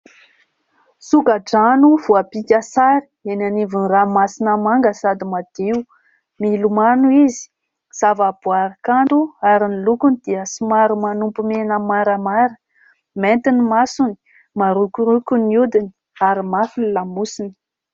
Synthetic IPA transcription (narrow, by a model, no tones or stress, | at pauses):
sukaʈ͡ʂanuvuapikʲəsaɾi̥enanivunramasinəmaŋɡəsad̪imad̪̥eu | milumanuizi̥ | z̥avab̥uaɾikanɖ͡ʐuaɾinilukunid̪̥iəsimaɾumanumpumenəmaɾəmaɾə̥ | ment̪inimasuni̥ | maɾukʲuɾukʲuniud̪ini̥ | aɾimafinilamusini̥